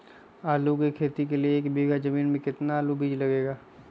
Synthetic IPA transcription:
aːlukikʰeːt̪ikelieːkbiːɡad͡ʒɐmiːnmẽkɪt̪naaːlubʱiːd͡ʒlɐɡeːɡaː

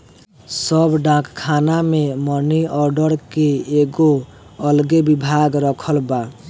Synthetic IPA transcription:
səbɖãkkʰanameməniɔɾɖəɾkeeɡo | əlɡebibʱaɡɾəkʰəlba

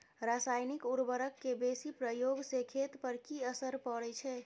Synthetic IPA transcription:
ɾasajnikuɾbəɾəkːebesipɾəjoɡsekʰet̪pəɾkiəsəɾpəɽɛt͡ʃʰɛ

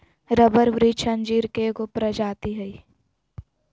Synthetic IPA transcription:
ɾəbəɾʋɾiːt͡ʃʰənd͡ʒiːɾkeɡʊpɾəd͡ʒaːt̪iɦəi

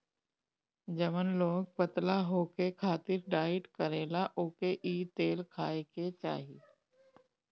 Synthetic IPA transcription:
d͡ʒəmənloːɡ̚pət̪laɦoːkekʰaːt̪ɪɾɖaːɪʈkəɾeːlaʔoːkeʔiːt̪eːlkʰaːeket͡ʃa̰ːɦi

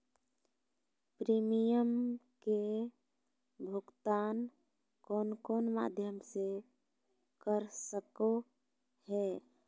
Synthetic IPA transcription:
pɾimijəm | ke | bʱʊɡt̪aːn | koːnkoːnma̰ːd̪ʱjəmse | kəɾsəko | hɛː

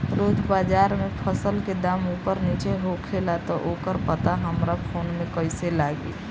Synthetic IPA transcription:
ɾoːd͡ʒbaːd͡ʒaɾmepʰəsəlked̪aːmupəɾnit͡ʃeɦokʰelat̪ɔʔokəɾpət̪aɦəmɾapʰoːnmẽkəɪselaɡi

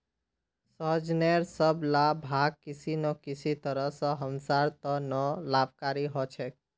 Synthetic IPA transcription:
səɦəd͡ʒneɾsəblabʱaɡ̚kɪsinɔkɪsit̪əɾəsɔ̃ɦəmsaɾt̪ɔnɔlab̚ʱkaɾiɦɔt͡ʃʰɛk

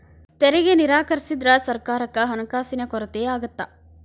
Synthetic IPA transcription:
t̪eɾɛɡeniɾaːkɐɾisid̪ɾɐsɐɾkaːɾɐkːɐɦɐnɐkaːsinɐkɔɾɐt̪eːaːɡɐt̪ːɐ

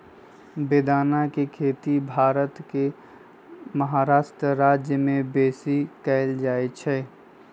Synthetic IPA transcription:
beːd̪aːnakekʰeːt̪ibʱaːɾət̪ke | məɦaːɾaːʃʈɾəɾaːd͡ʒjəmẽbeːsikɛːld͡ʒaːet͡ʃʰɛː

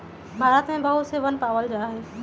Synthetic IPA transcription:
bʱaːɾət̪mẽbɐɦuseʋɐnpaːʋəld͡ʑaːɦeː

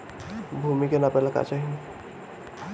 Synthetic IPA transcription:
bʱumikenapɛlaka̰t͡ʃaːɦi

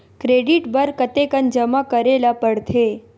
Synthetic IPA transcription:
kɾeɖiʈbəɾkət̪ekənd͡ʒəmakəɾelapəɽt̪ʰe

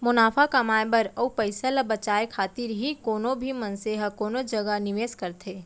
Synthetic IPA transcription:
mʊnaːfʰakɐmaːebɐɾɐupɐɪsəlabɐt͡ʃaːekʰaːt̪ɪɾɦikoːnõbʱimɐnseɦɐkoːnod͡ʒɐɡanɪʋeːskɐɾt̪ʰeː

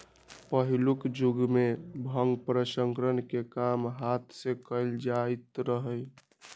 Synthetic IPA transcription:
pəɦilukd͡ʒuɡmebʱəŋɡpɾəsəŋkɾənkekamɦat̪ʰsekəɪld͡ʒait̪ɾəɦəj

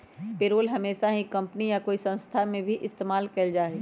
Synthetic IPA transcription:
peːɾoːlɦɐmeːʃaɦikɐ̃mpnijakoːisɐ̃nst̪ʰamẽbʱiʔɪst̪eːmaːlkɐld͡ʒaːɦeː

